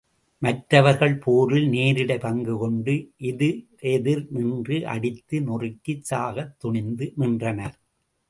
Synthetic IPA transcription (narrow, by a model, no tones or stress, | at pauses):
mɐʈɾɐʋɐɾɣɐɭpoːɾɪlneːɾɪɽɐɪpɐŋɡɯkɔɳɖɯʔɪðɯʔɛðɪɾnɪndrɯʔɐ̰ɽɪt̪ːɯnʊrɪkːɯt͡ʃːaːɣɐt̪ːʊɳɪnd̪ɯnɪndrɐnɐɾ